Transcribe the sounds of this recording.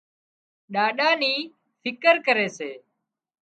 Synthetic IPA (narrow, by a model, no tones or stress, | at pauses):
ɗaːɗaːniː | fʰɪkəɾkəɾeːseː